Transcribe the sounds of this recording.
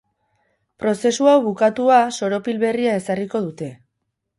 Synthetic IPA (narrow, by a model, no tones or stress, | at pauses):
pɾo̞se̞suawβukat̪uaso̞ɾo̞pilβe̞riae̞sariko̞ðut̪e̞